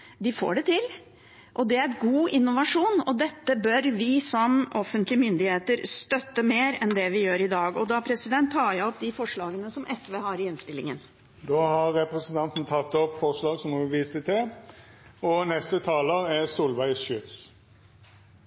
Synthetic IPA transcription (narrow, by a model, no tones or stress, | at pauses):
d̪ɪfo̰ːɖɛt̪ʰɪl | ʔɔd̪ɛæɾɡuːɪnːʊʋɑʂuːnɔd̪ɛt̪ːəbœɾʋɪsɔmɔfənt̪lɪəmʏnd̪ɪheːt̪əɾst̪œt̪ːəmeːɾɛnd̪ɛʋɪjøːɾɪd̪ɑːɡɔd̪ɑpʰɾɛsɪd̪ɛnt̪ʰːɑːjæɪɔpd̪ɪfɔʂɭɑːɡənəsɔmʔɛsʋeːɦɑɾɪɪnst̪ɪlːɪŋən | d̪oːhɑʁɛpʁɛsnt̪ʰɑnt̪n̩t̪ʰɑt̪ːɔpːfɔʁʂlɑːɡsɔmʊʋiːst̪ət̪ʰɛ | ɔnɛst̪ət̪ʰɑːləʁæsuːlʋæɪsʃʏt̪s